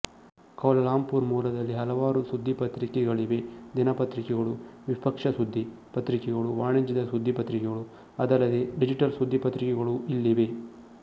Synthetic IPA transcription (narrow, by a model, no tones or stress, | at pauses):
kɐʋlɐlaːmpuɾmuːlɐd̪ɐlːiɦɐlɐʋaːɾusud̪ʱːipɐt̪ɾikɛɡɐɭiʋe̞d̪inɐpɐt̪ɾikɛɡɐɭuʋipɐkʂɐsud̪ʱːi | pɐt̪ɾikɛɡɐɭuʋaːɳɐɲd͡ʒid̪ɐsud̪ʱːipɐt̪ɾikɛɡɐɭu | ɐd̪ɐlːɐd̪e̞ɖid͡ʒiʈɐlsud̪ʱːipɐt̪ɾikɛɡɐɭuilːiʋe̞